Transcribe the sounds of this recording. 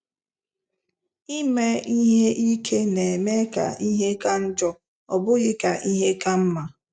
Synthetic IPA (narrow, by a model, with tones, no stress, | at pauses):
i˦me˦i˦ɦe˦ʔi˦kʰe˦ne˨e˨me˦ka̰˨i˦ɦe˦ka˦n̩˦d͡ʒɔ˦ | ɔ̰˨bʊ˦ɣɪ˦ka˨ʔi˦ɦe˦ka˦m̩˦ma˨